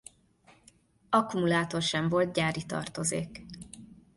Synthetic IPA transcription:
ɒkumulaːt̪o̞rʃɛɱvolt̪̚ɟaːɾit̪ɒ̰rt̪o̞zḛːk

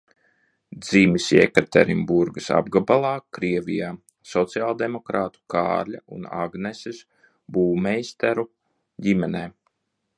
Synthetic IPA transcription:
d̪z̥iːmisɛ̰kaɾt̪ɛɾimbuɾɡɨsa̰bɡabalˠaːkɾiɛvʲijaː | sɔt̪siaːlˠd̪emɔkɾaːt̪u̥ka̰ːɾlʲa̰ʔuna̰ɡnɛsis | buːmɛjst̪æɾu | ɟimɛnɛː

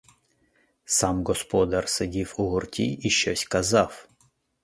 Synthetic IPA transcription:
samɡɔspɔd̪arsɨdʲifʊɣʊrtʲḭiɕɔsʲkazaf

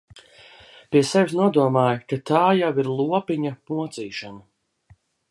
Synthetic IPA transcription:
pʲiɛsɛvʲsnuɔd̪uɔmaːjkat̪aːjawiɾlˠuɔpʲiɲamuɔt̪siːʃanɐ

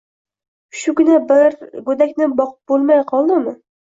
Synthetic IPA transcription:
ʃʊɡʲɪnabɪɾɡɵd̪akʲnɪbɒqʰɨ̥p̚bolˠmajqʰɒlˠd̪ɪmɪ

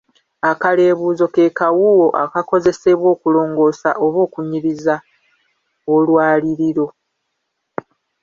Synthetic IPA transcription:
akale̞ːβuːzo̞ke̞kawuwo̞ʔa̰kako̞ze̞se̞βwo̞ːkulo̞ːŋɡo̞ːsa̰ʔo̞βo̞ːkuɲiɾiza | olwaːliɾiɾo̞

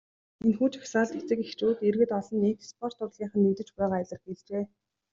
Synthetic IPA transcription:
enxuːt͡ɕḁksaːɮt̪et͡sɘ̆kext͡ɕuːt̪erɣɘ̆t̪ɔɮɞ̆nekspʰɔr̥t̪ʊrɮiːɴχə̆nːiːt̪ɘ̆t͡ɕpæːʁaæɮə̆rɡeɮt͡ɕeː

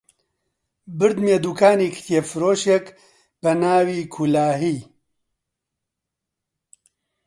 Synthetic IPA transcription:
bɨɾd̪meːd̪uːkʰaːniːkʰt̪ʰjefɨɾoːʃek | b̥ɛnaːwiːkʰulaːɦiː

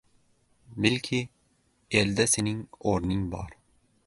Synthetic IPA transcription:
mɪlʲkʲʰɪ | eld̪asenɪŋoɾnɪŋbɒ̰ɾ

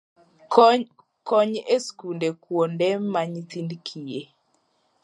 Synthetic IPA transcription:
kɔɲeskundekwondɛmaɲit̪indkʰije

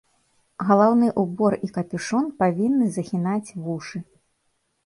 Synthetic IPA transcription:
ɣɐlˠawnɨʔubɔrikɐpʲiʂɔnpavʲinːɨzɐxʲinat͡sʲvuʂɨ

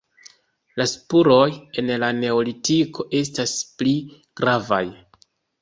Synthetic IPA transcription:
laspuɾo̞je̞nlane̞olitikʰo̞ʔe̞staspli | ɡ̥ɾava̰j

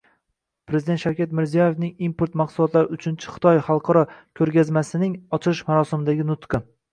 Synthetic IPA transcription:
pɾezɪd̪enʃawkʲat̪mɪɾzijɒje̞fnɪŋimpʰoɾt̪mɑqsʊlˠɒt̪laɾɪʊt͡ʃʰɪnt͡ʃʰɪ̥χɨ̥t̪ʰɒjχɑlˠqʰɒɾɒkʲʰɵɾɡʲazmasɪnɪŋɒt͡ʃʰɪlˠɪʃmaɾɒsɪmɪd̪aɡʲɪnʊt̪qɨ

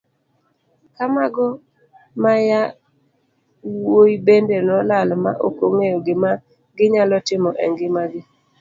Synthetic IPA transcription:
kamaɡɔ | maja | woibendenɔlalmaʔokoŋejoɡɪma | ɡɪɲalɔtɪmɔʔɛ̰ŋɡɪmaɡɪ

